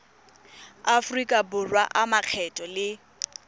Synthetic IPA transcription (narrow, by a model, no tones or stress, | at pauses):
afrikʼabʊrwa̰ʔamaq͡χʰɛtʼɔlɪ